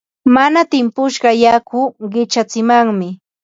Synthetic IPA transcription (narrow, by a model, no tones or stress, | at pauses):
manat̪ɪmpʊʃɢɑjakʊɢɪt͡ʃat͡sɪmaŋmɪ